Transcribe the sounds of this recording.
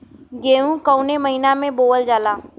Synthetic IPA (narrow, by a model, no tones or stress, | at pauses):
ɡeːũkəʊneməɦinamẽboːəld͡ʒaːlaː